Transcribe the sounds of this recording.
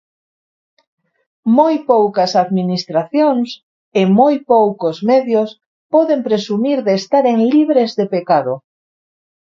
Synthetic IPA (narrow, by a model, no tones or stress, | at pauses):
mojpowkɐsaðminist̪ɾaθjoŋs | emojpowkozmɛðjos | pɔðempɾesumiɾðeːst̪aɾeŋliβɾezðepekaðo